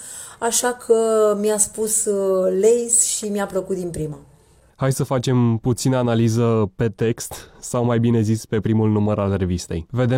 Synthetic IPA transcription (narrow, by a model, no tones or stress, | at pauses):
aʃakʰəmjaspuslejsʃimiapləkut̪̚d̪inpɾima | hajsəfat͡ʃe̞mput̪sinəanalizəpe̞t̪e̞kst̪sawmajbine̞zispe̞pɾimulnuməɾalre̞vist̪e̞̰jve̞d̪e